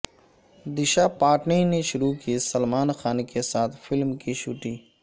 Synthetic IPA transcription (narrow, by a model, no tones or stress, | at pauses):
d̪iʃapaːʈnineʃʊɾukisɐlmaːnxaːnkesaːt̪filmkiɕuʈi